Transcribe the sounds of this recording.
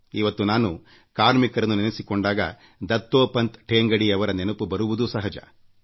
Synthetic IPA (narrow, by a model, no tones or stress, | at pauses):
iːʋɐt̪ːunaːnu | kaːɾmikɐɾɐnːunenesikoɳɖaːɡɐ̰ | d̪ɐt̪ːoːpɐnt̪ʈʰeːŋɡɐɽiɐʋɐɾɐnenupubɐɾuʋud̪usɐɦɐd͡ʒɐ̰